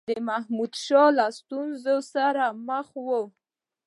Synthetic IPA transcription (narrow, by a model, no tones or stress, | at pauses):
d̪əmahmud̪ʃɑlast̪unzosaɾaməxwo